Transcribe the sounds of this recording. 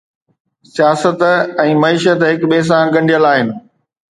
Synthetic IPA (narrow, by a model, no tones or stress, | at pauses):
sijaːsət̪ɛ̃ːmɐiːʃət̪ɦɪkɓeːs̬ãːɡɐ̃ɳɖijəlaːɦɪnɪ̆